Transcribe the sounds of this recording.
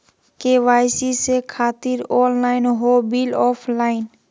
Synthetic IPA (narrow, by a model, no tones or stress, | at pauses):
keʋaːjsisekʰaːt̪ɪɾɔːnlaːɪnɦoːbilɔːpʰlaːɪn